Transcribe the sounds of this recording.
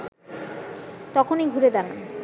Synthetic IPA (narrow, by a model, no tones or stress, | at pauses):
t̪ɔkʰoneɡʱuɾed̪ana̰